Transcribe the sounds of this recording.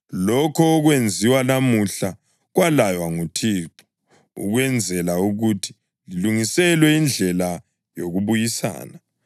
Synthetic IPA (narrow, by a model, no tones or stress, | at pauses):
lɔkʰɔːɣwend͡zʱiwanamuɬa | ɣwalajwaŋutʰiːǁɔ̥ | ṵɣwɛnd͡zʱɛlauɣutʰi̥ | liluŋisɛlwɛind͡ɮʱɛla | joɣuβujisa̰ːna